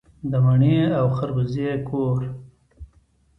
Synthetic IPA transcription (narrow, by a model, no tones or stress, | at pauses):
d̪əmaɳeawxaɾbəzekʰoɾ